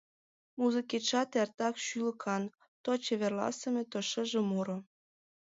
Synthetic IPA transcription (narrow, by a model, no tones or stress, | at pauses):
muzəket͡ʃɑt̪ert̪ɑkʃylə̆kʰɑn | t̪ot͡ɕĕβerlɑ̰sə̆mʲĕt̪oʃə̆ʒĕmuɾŏ